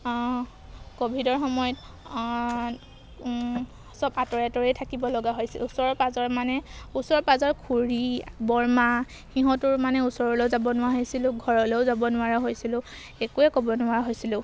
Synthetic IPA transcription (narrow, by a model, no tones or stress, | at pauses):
kobʱidɔɹxɔmɔjɔt | sɔbatɔɹatɔɹitʰakibɔlɔɡaɦojsilusɔɹɔpazɔɹmanɛusɔɹpazɔɹkʰuɹibɔɹma | xiɦɔ̃tʊɹmanɛusɔɹɔlezabɔnʊwaɦojsilʊ̃ɡʱɔɹɔlezabɔnʊwaɹaɦojsilʊ̃ | ekuɛkɔbɔnʊaɹɦojsilʊ̃